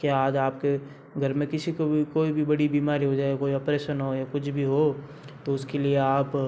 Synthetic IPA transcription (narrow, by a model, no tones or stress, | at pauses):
kjaaːd͡ʒaːp̚ke | ɡʱɐɾmẽkɪsikokoːibʱibɐɽibiːmaːɾiɦod͡ʒaːekoːiɐpɾeːʃənɦojakʊt͡ʃʰbʱiɦo | t̪oʊskelieaːp